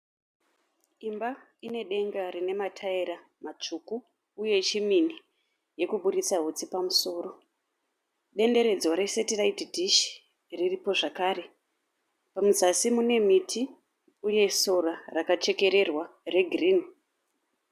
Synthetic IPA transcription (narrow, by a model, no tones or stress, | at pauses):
imba | ine̞ɗe̞ŋɡarine̞matʰaiɾa | mat͡ʂukuː | je̞t͡ʃimini | je̞kuɓuɾit͡saɦut͡sipamuso̞ːro̞ | ɗe̞nde̞ɾe̞d͡zoɾe̞setiraitdʱiʃ | riripo̞ʐakaːɾe̞ | pamuzasimune̞mitʰi | uje̞so̞ɾarakat͡ʃe̞ke̞ɾe̞rware̞ɡʱriːn